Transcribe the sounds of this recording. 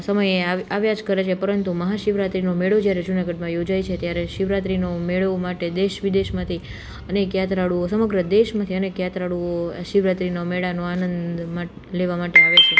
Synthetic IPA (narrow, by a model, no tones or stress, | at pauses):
səməjeaaʋjad͡ʒkəɾet͡ʃʰepəɾənt̪uməɦaʃiʋɾat̪ɾinomeɭod͡ʒjaɾed͡ʒunaɡəɖmãjod͡ʒajt͡ʃʰet̪jaɾeʃiʋɾat̪ɾinomeɭomaʈed̪eʃʋid̪eʃmãt̪ʰi | ənekjat̪ɾaɽuosəməɡɾəd̪eʃmãt̪ʰiənekjat̪ɾaɽuoaʃiʋɾat̪ɾinomeɭanoanənd̪ma | leʋamaʈeaʋet͡ʃʰe